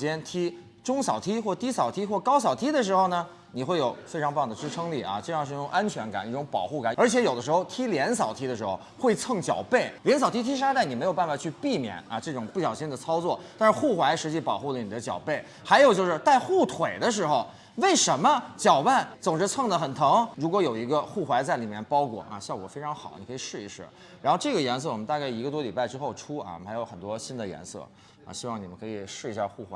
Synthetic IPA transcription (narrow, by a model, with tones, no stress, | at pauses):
t͡ɕjɛ˥nt̪ʰi˥ | ʈ͡ʂʊ˥ŋsɑ˨˩ʊt̪ʰi˥xwɔ˥˩t̪i˥sɑ˨˩ʊt̪ʰi˥xwɔ˥˩kɑ˥ʊsɑ˨˩ʊt̪ʰi˥d̪ə˨ʂ̬ɻ̩˧˥xo˧ʊnə˩ | ni˨˩xwe˥˩ɪjo˨˩ʊfe˥ɑ˧˥ŋpɑ˥˩ŋd̪ə˩ʈ͡ʂɻ̩˥ʈ͡ʂʰɤ˥ŋli˥˩ɐ̰˧ʈ͡ʂɤ˥˧jɑ˥˧ŋʂ̩˥˧˥ʈ͡ʂʊ˨˩ŋa˥nt͡ɕʰɥɛ˧˥nka̰˨˩ni˥˩ʈ͡ʂʊ˧˥ŋpɑ̰˨˩ʊxu˥˩ka˨˩nə˞˧˥t͡ɕʰjɛ˧˥jo˨˩ʊd̪ə˦ʂɻ̩˧xo˥˧ʊt̪ʰi˥ljɛ˧˥nsɑ˨˩ʊt̪ʰi˥d̪ə˧ʂɻ̩˧˥xo̰˥˧ʊxwe˥˧ɪt͡sʰɤ˥˩ŋt͡ɕjɑ̰˨˩ʊpe˥˩ɪljɛ˧˥ns̬ɑ˨˩ʊt̪ʰi˥t̪ʰi˥ʂ̬a˥t̪a˥˩ɪni˨˩me˧˥ɪjpa˥˩fa˨˩t͡ɕʰy˥˧pi˥˩mjɛ̰˨˩nɐ̰˧ʈ͡ʂɤ˥˩ʈ͡ʂʊ˨˩ŋpu˥˩ɕjɑ˨˩ʊɕi˥˩ŋd̪ə˨t͡sʰɑ˥ʊt͡swɔ˥˩t̪a˥˧nʂɻ̩˥˧xu˥˩xwa˧˥ɪʂɻ̩˧˥t͡ɕi˥˩pɑ˨˩ʊxu˥˩lə˩ni˨˩ə˦t͡ɕjɑ̰˨˩ʊpe˥˩ɪ | xa˧˥ɪjo˨˩ʊt͡ɕjo˥˧ʊʂɻ̩˥˧t̪a˥˧ɪxu˥˩t̪ʰwe˨˩ɪd̪ə˦ʂ̬ɻ̩˧˥xo˥˧˩ʊ | we˥˩ɪʂə˧˥nmə˧t͡ɕjɑ˨˩ʊpa˥˩nt͡sʊ˨˩ŋʈ͡ʂɻ̩˥t͡sʰwɤ˥˩ŋd̪ə˩xə˨˩nt̪ʰɤ˧˥ŋɻu˧˥kwɔ˧˥jo˨˩ʊi˧˥ɡə˧xu˥˩xwa˧˥ɪt͡sa˥˩ɪli˨˩mjɛ˥˩npɑ˥ʊkwɔ̰˨˩ʔɐ̰˧ɕjɑ˥˩ʊkwɔ˨˩fe˥ɪʈ͡ʂʰɑ˧˥ŋxɑ˨˩˦ni˨˩kʰɤ˧˥i˨˩ʂɻ̩˥˩ḭ˧˥ʂ̩˥˩ | ɻa˧˥nxo˥˧ʊʈ͡ʂɤ˥˩ɡə˩jɛ˧˥ns̬ɤ˥˩wɔ˨˩mə˦nt̪a˥˧ka˥˩ɪi˧˥ɡə˧t̪wɔ˥li˨˩pa˥˩ɪʈ͡ʂɻ̩˥xo˥˩ʊʈ͡ʂʰu˥ɐ̰˧˩˨xa˧˥ɪjo˧˥ʊxə˨˩nt̪wɔ˥ɕi˥nd̪ə˨jɛ̰˧˥nsɤ̰˥˩ | ɐ̰˨˩ɕi˥wɑ˥˩ŋni˨˩mə˦nkʰɤ˧˥i˨˩ʂɻ̩˥˩i˧˥ɕja̰˥˧xu˥˩xwa̰˧˥